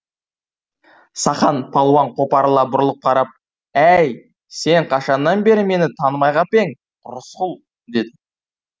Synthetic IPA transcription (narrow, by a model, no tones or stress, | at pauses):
sɑχɑnpʰɑlˠwɑɴqʰo̞pɑɾlˠɑbʊɾlˠəq̚qʰɑɾɑp̚ | æj | se̞ɴqʰɑʃɑnːɑnbe̞ɾɪme̞nɪt̪ʰɑnəmɑjʁɑpe̞ŋ | ɾʊsqʊlˠ | d̪e̞d̪ɪ